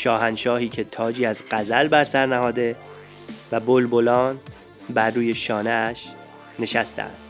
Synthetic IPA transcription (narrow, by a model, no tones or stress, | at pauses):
ʃɒːɦænʃɒːɦiːcʰe̞t̪ʰɒːd͡ʒiːæzɢ̥æzælbæɾsæɾnæɦɒːd̪e̞ | væbolbolɒːn | bæɾːuːje̞ʃɒːneæʃ | ne̞ʃæst̪ʰæ̰æ̰ndd̪̥